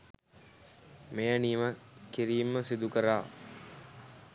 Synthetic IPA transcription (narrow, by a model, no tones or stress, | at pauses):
mejaniːməkiɾiːmːəsid̪ukəɾaː